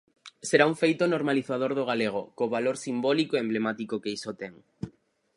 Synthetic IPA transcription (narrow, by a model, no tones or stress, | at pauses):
seɾauŋfejt̪onoɾmaliθað̞oɾðoɣ̞aleɣ̞okːβaloɾsimbɔlikoeemblemat̪ikokeisot̪ɛŋ